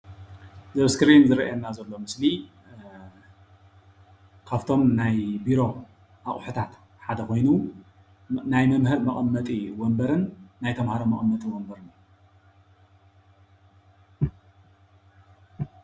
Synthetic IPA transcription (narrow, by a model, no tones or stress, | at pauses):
zɐβskɨɾinzɨɾɐ̰ʔanːazɐlːo̞mɨsli | kʰaβt̪ʰo̞mnajbiɾo̞ | ʔaχʼħɨt̪ʰat̪ | ħad̪ɐkʰo̞jnu | najmɐmhɨɾmɐʔʼɐmːɐt̪ʼiwombɐɾɨnːajt̪ʰɐmhaɾomɐχʼɐmːɐt̪ʼiwombɐɾɨna